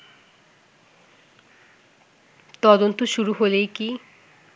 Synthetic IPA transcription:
t̪ɔd̪ont̪oʃuɾuɦolejki

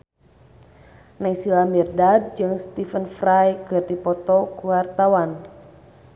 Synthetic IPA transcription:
naisilamirdad̚d͡ʒɨŋst̪ifənfɾajkɨrdipɔt̪ɔkuwart̪awan

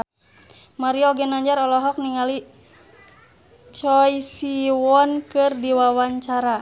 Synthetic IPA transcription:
maɾiɔɡɛnaɲd͡ʒaɾɔlɔɦɔk̚niŋali | t͡ʃɔjsiwɔnkɨrdiwawaɲt͡ʃaɾa

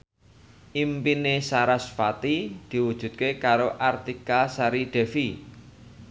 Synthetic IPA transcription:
ʔimpinesaɾasfat̪id̪̥i̤wud̥ʒ̥ṳt̪̚kekaɾoʔart̪ikasaɾiɖ̥ɛ̤fi

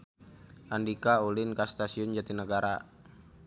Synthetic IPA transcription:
ʔandikaulɪnkast̪asiʊnd͡ʒat̪inəɡaɾa

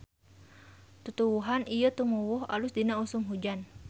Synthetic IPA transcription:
t̪ut̪uwuɦanijət̪umuwʊɦa̰lʊsdinausʊmɦud͡ʒan

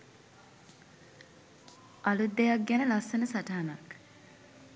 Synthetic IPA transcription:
ʔɐlud̪ːejak̚ɡænəlasːənəsaʈaːnak

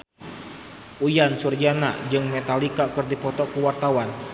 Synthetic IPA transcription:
ʔujansurd͡ʒana̰d͡ʒɨŋmɛt̪alikakɨrdipɔt̪ɔkuwart̪awan

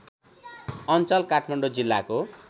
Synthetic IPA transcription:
ʌnt͡sʌlkaʈʰmaɳɖod͡zilːako

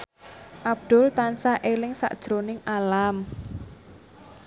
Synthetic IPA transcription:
ʔab̚d̪̥ʊ̤lt̪ansaʔelɪŋsa̰ʔd̥ʒ̥ɾonɪŋalam

